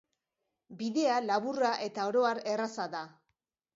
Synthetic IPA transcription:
biðe̞alaβuraʔe̞t̪ao̞ɾo̞aɾe̞rasaða

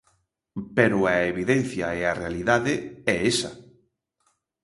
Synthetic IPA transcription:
peɾʊaeβiðen̟θjɐearealiðaðɪɛesɐ

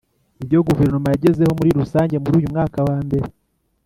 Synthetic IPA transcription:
iβɟo̞ɡuve̞ɾnomajaɟe̞ze̞ho̞muɾiɾusaːɲɟe̞muɾuːjumŋaːkawaːmbe̞ɾe

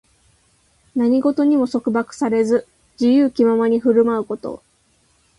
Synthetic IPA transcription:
naɲ̟iɡo̞t̪o̞ɲ̟imo̞so̞kɯ̟bakɯ̟̥saɾe̞zɨ | d͡ʑijɯːkʲimamaɲ̟iɸɯ̟ɾɯ̟maɯ̟ko̞t̪o̞̰

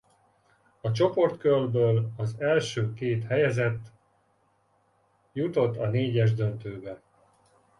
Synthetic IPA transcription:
ɒt͡ʃo̞po̞rt̪kølbøːlɒzɛlʃøːkeːt̪hɛjɛzɛt̪ː | jut̪o̞t̪ːɒneːɟɛʒd̪ønt̪øːbɛ

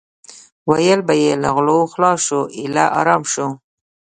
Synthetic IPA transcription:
wajəlbajela̰ɣloxlɑʃuʔɪla̰ʔɑ̰ɾɑmʃu

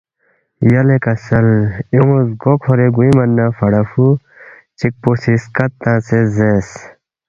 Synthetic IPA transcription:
jɐlekɐsɐliŋozɡokʰoɾeɡuimɐnːãːfɐɽɐfu | t͡ɕik̚posiskɐtt̪ːãːsezes

